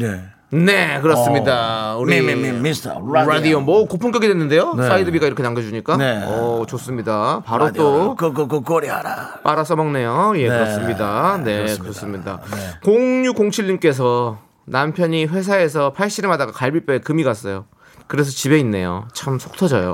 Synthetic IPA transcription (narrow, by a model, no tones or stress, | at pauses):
ne | ne̞k̬ɯɾʌs͈ɯmɲidauɾɾḭ | ɾadiomʌkopʰuŋk͈jʌɡidwenːɯnde̞jos͈aidɯbiɡaiɾʌkʰenaŋɡjʌd͡ʑuɲik͈aʌt͡ɕos͈ɯmɲidapaɾot͈okkkoɾiaɾa̰ | p͈aɾas͈ʌmʌŋne̞jojekɯɾʌs͈ɯmɲidane̞kɯɾʌs͈ɯmɲida̰koŋɲukoŋt͡ɕʰiɭːimk͈e̞s̬ʰʌ | nampʰjʌɲiɸwe̞s̬ʰae̞sʰʌpʰaɭɕ͈iɾemadaɡakaɭbip͈eekɯmiɡas͈ʌjo | kɯɾe̞s̬ʰʌt͡ɕibe̞inːe̞jo̰t͡ɕʰamsʰok̚tʰʌd͡ʑʌjo̰